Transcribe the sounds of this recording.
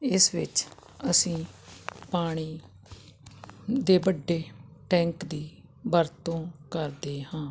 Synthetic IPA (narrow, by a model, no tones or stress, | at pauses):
ɪsʋɪt͡ʃ | əsĩːpaːɽ̃iː | d̪eːbəɖːeːʈɛ̃ːŋkd̪iː | bəɾt̪õːkəɾd̪eːhãː